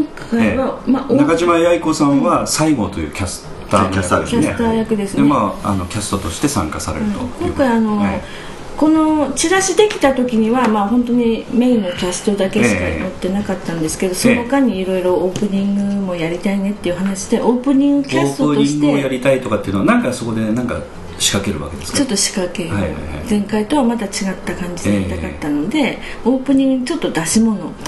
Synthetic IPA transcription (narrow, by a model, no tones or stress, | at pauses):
kõŋkaiβamaʔonakaʑimajaikosãβasaiɡo̞̰t̪o̞̰jɯ̰ːkʲasɨ̥ | t̪ːakasd̪ekʲat̪aːjakɯ̟d̪e̞sɨnd̪emaa̰no̞kʲasɨ̥t̪ot̪o̞ɕi̥t̪e̞sã̰ŋkasa̰ɾeɾɯt̪okõ̞ŋkaiano̞ | ko̞no̞t͡ɕiɾaɕid̪e̞kʲi̥t̪at̪o̞kʲiɲ̟iβamaːhõ̞nt̪o̞ɲ̟ime̞inːo̞kʲasɨ̥t̪o̞d̪ake̞ɕika̰mot̪ːe̞nakat̪ːãnd̪e̞sɨ̥ke̞d̪o̞sonokaɲ̟iːɾo̞iɾo̞ːpɯ̟ɲ̟ĩŋɡɯ̟mo̞jaɾʲit̪aine̞t̪ːe̞iɯ̟ɦanaɕid̪e̞ʔo̞ːpɯ̟ɲ̟ĩŋɡɯkʲasɨ̥t̪ooɕi̥ɡ̪e̞jaɾʲit̪ait̪o̞kat̪eiɯno̞anãŋkaso̞ko̞d̪e̞nãŋka̰ | ɕi̥kake̞ɾɯ̰βa̰ked̪e̥t͡ɕo̞t̪ːo̞ɕi̥kake̞ɾaɯ̰d͡zẽ̞ŋkait̪o̞βamad̪at͡ɕiɡat̪ːakãɲ̟d͡ʑid̪eit̪akat̪ːano̞d̪e̞o̞ːpɯ̟ɲ̟ĩŋɡɯ̟ɲit͡ɕo̞t̪ːo̞d̪aɕimo̞no̞